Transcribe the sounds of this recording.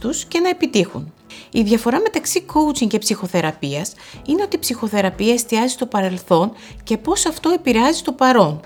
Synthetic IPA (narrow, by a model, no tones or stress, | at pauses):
t̪usce̞nɐepit̪ixṵn | iðʝɐfo̞ɾɐme̞t̪ɐksiko̞ut͡siŋce̞psixo̞θe̞ɾɐpiɐs | ine̞o̞t̪iːpsixo̞θe̞ɾɐpiɐe̞st̪iɐzist̪o̞pɐɾe̞lθo̞n | ce̞po̞sɐft̪o̞epiɾeɐzist̪o̞pɐɾo̞n